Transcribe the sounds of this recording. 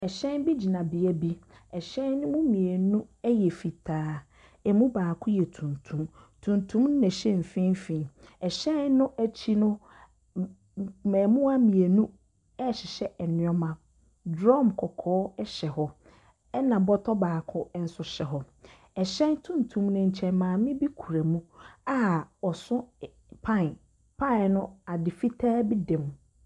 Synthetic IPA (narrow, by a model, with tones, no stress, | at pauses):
ɛ˨ɕɛ̃˦nbi˦d͡ʑi˨nã˨bɪ˨æ˦bi˦ | ɛ˨ɕɛ̃˦nñ˦mũ˦mĩ˨e˨nũ˦ɛ˦jɛ˨fi˨tʰaː˦ | ɛ˨mũ˦baː˨kʰʊ˦jɛ˨tʰũ˨ntʰũ˦m | tʰũ˨ntʰũ˦m˦nɛ̃˨ɕɛ̃˦m̩˨fĩ˦fĩ˨ɛ˨ɕɛ̃˦nːʊ̃˦ʔæ˦t͡ɕʰi˦nʊ̃˦ | mɛ̃ː˨mũ˦a˦mĩ˨e˨nũ˦ | ɛ˦˨ɕɪ˨ɕɛ˦˨nɪ̃˦ɔ˦mã˨ | dɾɔ̃˦˨mkʰɔ˨kʰɔː˦ɛ˦ɕɛ˨ɦɔ˨˦ | ɛ˦nã˨bɔ˦tʰɔ˦baː˨kʰʊ˦n̩˦sʊ˨ɕɛ˨ɦɔ˨ | ɛ˨ɕɛ̃˦n˦tʰũ˦n̩˨tʰũ˨˦mnʊ̃˨ɲ̩˨t͡ɕʰɛ̃˨nmãː˨mɪ̃˦bi˦kʰu˨ɾæ˨mũ˦a˨ɔ˨sʊ̃˦ | pʰã˦˨n | pʰã˦˨nʊ̃˦a˨dɪ˨fi˦tʰaː˦bi˦dɛ̃˨m˨